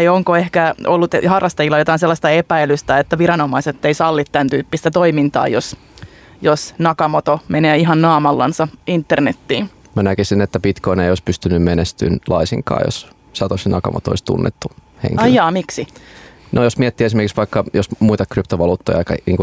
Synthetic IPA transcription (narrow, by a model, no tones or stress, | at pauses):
ioŋkoehkæolːut̪hɑrːɑst̪ɑjilːɑjot̪ɑinselːɑst̪ɑepæilyst̪æet̪ːæʋiɾɑnomɑiset̪ːeisɑlːit̪t̪ːænt̪yːpːist̪æt̪oimint̪ɑ̰ːjos | josnɑkɑmot̪omeneːiɦɑnːɑːmɑlːɑ̰nsɑint̪ːernet̪ːiːn | mænækisinet̪ːæpit̪koineijoispyst̪ynːymmenest̪y̰nlʔɑisiŋkɑ̰ːjo̰s | sɑt̪osinɑkɑ̰mo̰t̪oo̰isʲt̪ṵnːḛt̪ːuhḛŋkɑljɑːmiksinojosmiɛt̪ːiːesimerkiksʋɑikːɑjosmuit̪ɑkrypt̪oʋɑluːt̪ːojɑkɑniːŋku